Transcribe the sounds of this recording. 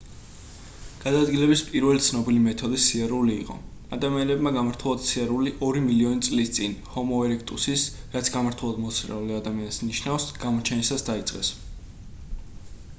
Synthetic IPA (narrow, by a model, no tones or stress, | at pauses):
ɡ̥ad̪aːd̪ɡilɛbispʼiɾvɛlit̪sʰnɔbilimɛt̪ʰɔd̪isiaɾuliːqʼɔ̰ | ad̪amianɛbmaɡamaɾt̪ʰulˠad̪siaɾuliʔɔɾimiliɔnit̪sʼlist̪sʼinhɔmɔɛɾɛkʰt̪ʼusis | ɾat̪sʰɡamaɾt̪ʰulˠad̪mɔsʰɾɛ̰uliad̪amiansniʃnafsɡ̥amɔt͡ʃʰɛnisasd̪ait̪sʼqʼɛ̰s